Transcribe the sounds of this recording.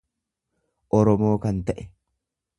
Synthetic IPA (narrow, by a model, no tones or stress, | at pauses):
ʔɔɾɔmo̞ːkɐnt̪ɐʔɛ